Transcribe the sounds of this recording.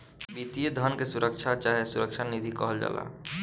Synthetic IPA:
bit̪ijed̪ʱənkesuɾəkʃʰat͡ʃaːɦesʊɾəkʃʰanid̪ʱikɔɦəld͡ʒa̰ːla̰ː

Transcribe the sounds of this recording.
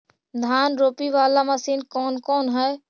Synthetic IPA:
d̪ʱaːnɾoːpiʋalaməsinkɔːnkɔnɦɛj

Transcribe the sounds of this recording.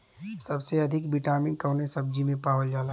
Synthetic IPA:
sɐbseɐd̪ʱɪkbɪʈaːmɪ̃nkəwnesəb̚d͡ʒimẽpaːʋəld͡ʒaːla

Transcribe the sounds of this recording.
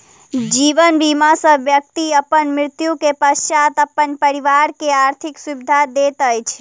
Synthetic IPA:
d͡ʒiʋənbimasə̃ʋjək̚t̪iəpːənmɾɪɾt̪jukepəʃjat̪əpːənpəɾiʋaɾkeaɾt̪ʰɪksubid̪ʱad̪et̪əjt͡ʃʰ

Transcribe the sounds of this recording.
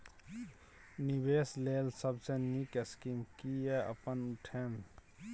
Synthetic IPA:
niweːsleːlsəbsenikəskiːmkieɐ̰pənʊʈʰeːm

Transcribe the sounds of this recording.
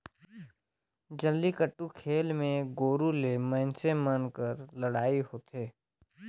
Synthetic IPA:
d͡ʒəlːikəʈːukʰeːlmẽɡoːɾulemə̃ːnsẽmənkəɾləɽaːiɦoːt̪ɦeː

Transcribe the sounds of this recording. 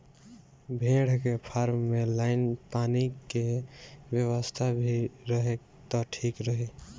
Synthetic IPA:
bʱeɽ̤kepʰaːɾmːelaɪnpaːnikewjəwəst̪ʰabʱiɾəɦek | t̪ɔʈʰiːkɾəɦe

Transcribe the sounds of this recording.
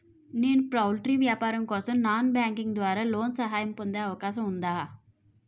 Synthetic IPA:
neːnpɾaːʋlʈɾiːʋjaːpaːɾɐmkɔːsɐmnaːnbjaːŋkiŋɡd̪ʋaːɾaːloːnsɐɦaːjɐmpond̪eɐʋɐkaːʃɐmund̪aːɦ

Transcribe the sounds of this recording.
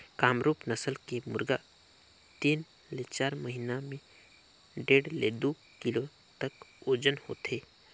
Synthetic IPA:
kaːmɾuːpnəsəlkemʊ̰ɾɡa | t̪iːn | let͡ʃaːɾməɦinamẽ | ɖeːɽlḛd̪uː | kɪlo | t̪əkoːd͡ʒənho̰ːt̪eː

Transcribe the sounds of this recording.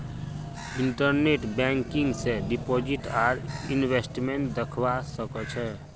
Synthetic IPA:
iɳʈəɾneʈbɛŋkiŋɡsẽɖipod͡ʒiʈaɾinbesʈmeɳʈ̚d̪əkʰbasəkət͡ʃʰɛ

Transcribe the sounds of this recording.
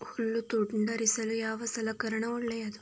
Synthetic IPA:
hulːut̪uʈɳɖɐɾisɐlujaːʋɐsɐlɐkɐɾɐɳɐuɭːɛjɐd̪u

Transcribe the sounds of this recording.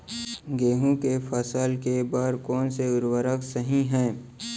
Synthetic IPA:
ɡeːɦũkefʰɐsaːlkebaːɾkɔːnseʊɾwəɾəksəɦĩɦɛ̃ː

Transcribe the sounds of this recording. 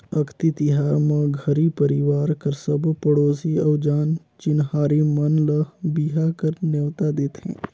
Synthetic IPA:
ɐkʰt̪it̪iɦaːɾmɐ̃ɡʱəɾipəɾiʋaːɾkəɾsəbpəɽoːsiɐwd͡ʒaːn | t͡ʃinhaːɾimɐnləbiɦakəɾnewt̪ad̪ɪt̪ʰhḛ̃ː

